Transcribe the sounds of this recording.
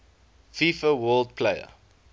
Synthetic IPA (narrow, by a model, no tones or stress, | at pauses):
fiːfəwɜːld̚pʰleɪə̰